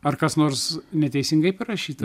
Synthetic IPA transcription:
ɐrkɐsnoːɾsnʲɛt̪ʲɛɪsʲɪŋɡɐɪpɐɾɐʃʲiːt̪ɐ

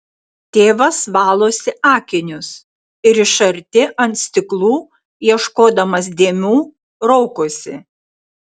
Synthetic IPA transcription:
t̪ʲeːʋɐsʋɑːlˠoːsʲɪɑːkʲɪnʲʊs | ɪɾɪʃɐɾʲt̪ʲɪʔɐnt̪sʲt̪ʲɪklˠuː | jiɛʃkoːd̪ɐmɐsd̪ʲeːmʲuː | ɾɔʊkoːsʲɪ̰

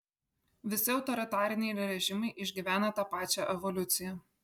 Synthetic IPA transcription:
ʋʲɪsʲɪɒʊt̪ɔɾʲɪt̪ɑːɾʲɪnʲɛɪɾɾʲɛʒʲɪmɐɪʔɪʒʲɡʲiʋʲæːnɐt̪ɑːpɑːt͡ʃʲæʔɛʋɔlʲʊt̪sʲɪjɛ

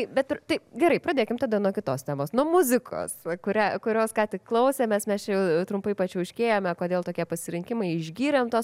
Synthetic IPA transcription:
ɐɪbʲɛt̪t̪ɐɪɡʲɛɾɐɪpɾɐd̪ʲeːkʲɪmt̪ɐːd̪ɐnuɔkʲɪt̪oːst̪ʲæːmoːsnuɔmʊzʲɪkʰo̰ːsɐkʊɾʲæːkʊɾʲoːskɑːt̪ʲɪkklˠɐʊsʲɛmʲɛsmʲɛst͡ʃʲɛjɛʊʊt̪ɾʊmpɐɪpɐt͡ʃʲɛʊʃʲkʲeːjoːmʲɐkoːd̪ʲeːlˠt̪oːkʲiɛpɐsʲɪɾʲɪŋʲkʲɪmɐɪɪʒʲɡʲiːɾʲɛmt̪oːs

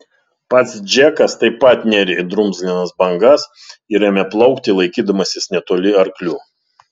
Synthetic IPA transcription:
pɐt̪sd͡ʒʲɛkɐst̪ɐɪpːɐt̪nʲɛɾʲed̪ɾʊmzɡlʲɪnɐsbɐŋɡɐs | ɪɾʲɛmʲɛplˠɐʊkt̪ʲɪlˠɐɪkʲiːd̪ɐmɐsʲɪsnʲɛt̪oːlʲɪɐɾklʲuː

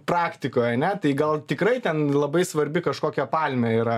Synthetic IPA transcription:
prɑːkt̪ʲɪkoːjɐnʲɛt̪ɐɪɡɐlˠt̪ʲɪkrɐɪt̪ʲɛnlˠɐbɐɪsʋɐɾʲbʲɪkɐʃkoːkʲɛpɑlʲmʲɛiːɾɐ

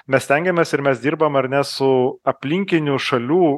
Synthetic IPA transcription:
mʲɛssʲt̪ʲɛŋʲɡʲɛmʲɛːsɪɾmʲɛsd̪ʲiːɾbɐmɐɾnʲɛsʊɐpʲlʲɪŋʲkʲɪnʲuʃɐlʲuː

